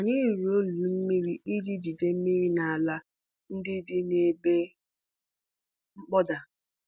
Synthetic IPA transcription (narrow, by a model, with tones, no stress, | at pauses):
a˨ɲɪ˦˨ɾi˨o˦lu˨m̩˦mi˦ɾi˦ʔi˦d͡ʒi˦d͡ʒi˨de˦m̩˦mi˦ɾi˦na˨a˨la˦ | n̩˦dɪ˦dɪ˦ne˨be˦ | ŋ͡m̩˦k͡pɔ˦da˨